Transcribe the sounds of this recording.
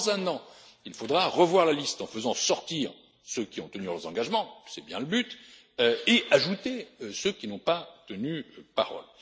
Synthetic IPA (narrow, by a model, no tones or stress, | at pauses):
zɛ̃nɑ̃ilfod̪ʁaʁəvwaʁlalist̪ɑ̃fəzɑ̃sɔʁt̪iʁ | søkʲiɔ̃t̪ənyʁzɑ̃ɡaʒmɑ̃sɛbjɛ̃ləbyt̪ | øeʔaʒut̪eøsøkʲinɔ̃pat̪ənypa̰ʁɔ̰l